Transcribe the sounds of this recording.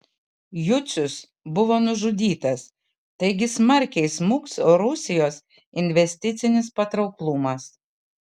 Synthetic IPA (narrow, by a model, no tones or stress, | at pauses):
jʊt̪sʲʊs | bʊʋoːnʊʒʊd̪ʲiːt̪ɐs | t̪ɐɪɡʲɪsmɐɾʲkʲɛɪsmʊksoːɾʊsʲɪjoːs | ɪnʲʋʲɛsʲt̪ʲɪt̪sʲɪnʲɪspɐt̪ɾɒʊklˠʊmɐs